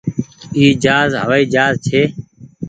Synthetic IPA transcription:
iːd͡ʒaːzɦə̰ʋaːiːd͡ʒaːzt͡ʃʰeː

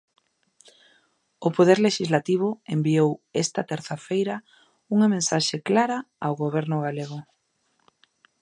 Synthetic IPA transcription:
ʊpoð̞eɾleʃizlat̪iβ̞ʊembiowest̪ɐt̪ɛɾθafejɾɐ | uŋɐmẽnsaʃeklaɾɐawɣoβ̞ɛɾnʊɣaleɣ̞ʊ

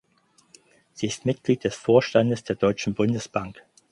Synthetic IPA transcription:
z̥iːɪstmɪtɡ̥liːt̚d̥ɛsfoːɐʃtandəsd̥eːɐdɔʏt͡ʃn̩bʊndəsb̥aŋk

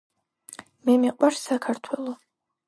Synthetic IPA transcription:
mɛmiqʼwaɾsakʰaɾt̪ʰwɛlˠɔ

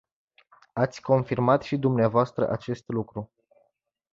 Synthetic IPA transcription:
at̪sʲko̞nfirmat̪ʃid̪umneavoast̪ɾə̰ʔat͡ʃe̞st̪lukɾu

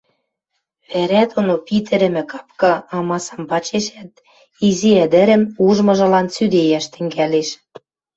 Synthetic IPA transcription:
βæɾæt̪onopit̪ɘ̆ɾɘ̆mɘ̆kɑ̥pkɤ̆ɑmɑsɑmpɑt͡ɕeʃæt̪̚ | iziæd̪ɘ̆ɾɘ̆muʒmɤ̆ʒɤ̆lɑnsyd̪ejæʃt̪ɘ̆ŋɡæleʃ

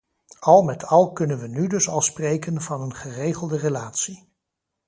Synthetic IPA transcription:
ɑlˠmɛtʰɑlˠkɵnənʋənydɵsɑlˠsprejkənvɑnənχərejχəlˠdərelaːtsi

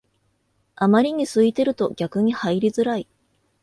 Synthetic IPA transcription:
amaɾʲiɲ̟isɨit̪e̞ɾɯ̟t̪o̞ɡ̥ʲakɯ̟ɲ̟ihaiɾʲizɨɾai

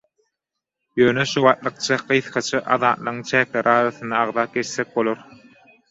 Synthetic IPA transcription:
jø̞ːneʃuβɑːt̪lˠɯq̚t͡ʃʰɑqɯjθχɑt͡ʃʰɯʔɑ̰ðɑːt̪lˠɯʁɯŋt͡ʃʰæːkleɾʔɑːɾɑθɯnd̪ɑːʁðɑːp̚ɡe̞t͡ʃθek̚bo̞lˠoɾ

